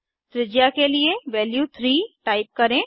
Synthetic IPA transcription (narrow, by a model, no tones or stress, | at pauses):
t̪ɾɪd͡ʒjakelieʋɛːljuːt̪ʰɾiːʈaːɪp̚kɐɾẽː